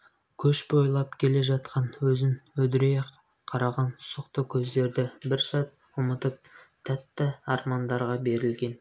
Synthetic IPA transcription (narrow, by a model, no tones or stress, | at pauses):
kʲʰɵʃbo̞jlˠɑpkʲʰe̞le̞ʒɑt̪̚qɑnwɵzɪnwɵd̪ɪɾejq | qʰɑɾɑʁɑnsəqt̪əkʲʰɵzd̪e̞ɾd̪ɪbɪɾsɑt̪ | wəmət̪əp̚t̪ʰːæt̪ːɪɑɾmɑnd̪ɑɾʁɑbe̞ɾɪlɡʲe̞n